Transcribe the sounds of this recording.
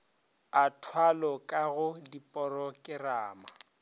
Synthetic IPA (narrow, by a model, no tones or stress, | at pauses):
atʰwalɔkʼaɣʊdipʼɔɾɔkʼɪraːma